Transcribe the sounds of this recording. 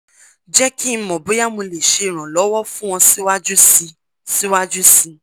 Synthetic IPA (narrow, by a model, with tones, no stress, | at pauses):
d͡ʒɛ˦ki˦˧˦mɔ̃˨bo˨˦ja˦mũ˧le˨ʃe˧˨ɾ̃ã˨lɔ˨˦wɔ˦fũ˦w̃ɔ̃˧si˦wa˦d͡ʒu˦si˧ | si˦wa˦d͡ʒu˦si˧